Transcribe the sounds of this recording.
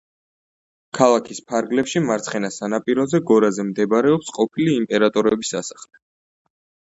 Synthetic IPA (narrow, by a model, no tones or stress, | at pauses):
kʰalˠakʰispʰaɾɡlɛpʃimaɾt̪sʰχɛnasanapʼiɾɔzɛɡɔɾazɛmd̪ɛbɾɛɔpsqʼɔpʰiliːmpʼɛɾat̪ʼɔɾɛbisasḁχlɛ